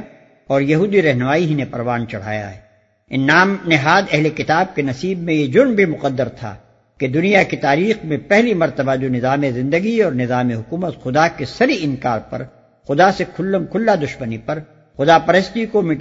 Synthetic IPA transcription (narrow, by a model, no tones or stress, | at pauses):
ɔːɾjɐɦuːd̪iɾɛɦnʊmaːiɦinepɐɾʋaːnt͡ʃɐɽ̤a̰ːja̰ɦɛ̰ː | ɪnːaːmnɪɦaːd̪ɛɦlekɪt̪aːb̚kenɐsiːbmẽjed͡ʒʊɾmbʱimʊqəd̪ːəɾt̪ʰa̰ | ked̪ʊnijakit̪aːɾiːxmẽpɛɦlimɐɾt̪əbad͡ʒonɪzaːmezɪ̃nd̪əɡiɔːɾnɪzaːmeɦʊkuːmət̪xʊd̪akesɐɾiɪŋkaːɾpɐ̰ɾ | xʊd̪asekʰʊlːəmkʰʊlːad̪ʊʃmənipɐɾ | xʊd̪apɐɾəst̪ikomɪ